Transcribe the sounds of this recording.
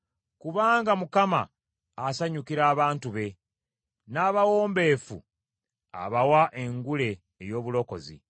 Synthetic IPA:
kuβaːŋɡamukama̰ː | saɲukiɾaːβaːntuβe̞ | naːβawo̞ːmbe̞fṵ | a̰βawaʔe̞ŋɡule̞ː | jo̞ːβulo̞ko̞̰zḭ

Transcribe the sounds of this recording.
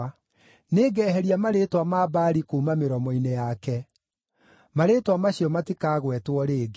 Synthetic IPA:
neːɡɛːɦɛɾiamaɾetwamaːbaːɾikuːmameɾɔmɔinejakɛ | maɾetwamaɕjɔmatikaːɣwɛtwɔɾeːɡ

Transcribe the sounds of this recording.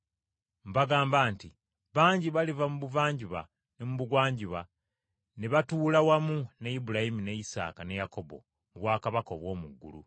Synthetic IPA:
mbaɡaːmbaːnti | βaːɲɟiβalivamuβuvaːɲɟuβa̰ | nemuβuɡwaːɲɟuβa̰ | neβatuːlawamunejibulajimine̞jisa̰ːkane̞jako̞bo̞̰ | muβwaːkaβako̰ːβwo̞ːmuɡːṵlṵ

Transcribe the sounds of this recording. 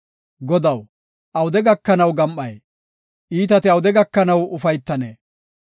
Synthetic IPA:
ɡɔd̪ɐw | ʔɐwʊd̪ɛɡɐkːɐnɐwɡɐmʔɐj | ʔiːt̪ɐt̪ɪɐwʊd̪ɛɡɐkːɐnɐwʊfɐjt̪ːɐneː

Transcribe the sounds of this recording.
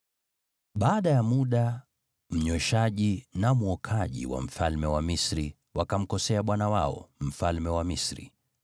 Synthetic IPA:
ɓaːɗajamuɗa | m̩ɲwɛʃaʄinamuɔkʰaʄḭwa̰m̩falmɛwamisɾi | wakam̩kɔsɛaɓwanawaɔ̰m̩falmɛwamisɾḭ

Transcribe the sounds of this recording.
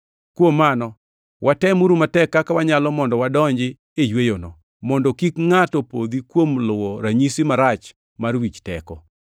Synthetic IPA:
kwomːanɔ | wʔatɛmuɾumatɛkːakawaɲalɔmɔndɔwadɔɲd͡ʒɪ | ejwejonɔ | mɔndɔkikŋatɔpo̰d̪ikwomlʊwɔɾaɲisimaɾat͡ʃ | marwit͡ʃtɛ̰kɔ

